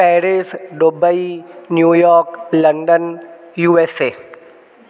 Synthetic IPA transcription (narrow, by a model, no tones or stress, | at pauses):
pɛːɾesɖobainjuːjɔːɾklɐ̃ɳɖənjuːeseː